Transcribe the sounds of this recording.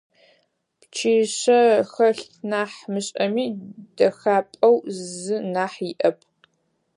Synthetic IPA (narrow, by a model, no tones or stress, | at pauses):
pt͡ʃʰiːɕɐxɐɬtʰnaːħmɨɕʼɐmiːd̥ɐxaːpʼɐwzɨnaːħjiʔɐpʰ